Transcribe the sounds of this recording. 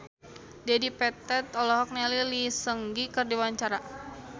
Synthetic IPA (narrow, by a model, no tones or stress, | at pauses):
diadipɛt̪ɛt̪ɔlɔɦɔk̚nɛlilisəŋɡikɨrdiwaɲt͡ʃaɾa